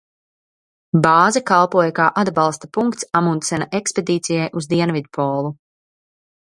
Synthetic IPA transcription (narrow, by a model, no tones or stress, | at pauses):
bɑːzakalˠpuɔjakaːʔad̪bɑlˠst̪apuŋkt̪samunt̪sɛnaʔeksped̪iːt̪sijajʔuzd̪iɛnvid̪̚pʰɔːlˠu